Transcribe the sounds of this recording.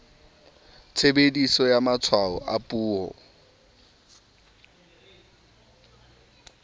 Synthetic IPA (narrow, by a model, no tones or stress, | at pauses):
t͡sʰebedisɔjamat͡sʰwaɔʔapʼuːhɔ̰